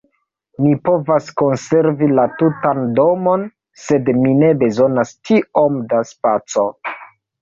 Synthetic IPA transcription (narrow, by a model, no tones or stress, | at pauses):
mipo̞vasko̞nse̞ɾvilatutando̞mo̞n | se̞dmine̞be̞zo̞nastio̞mdaspat͡so̞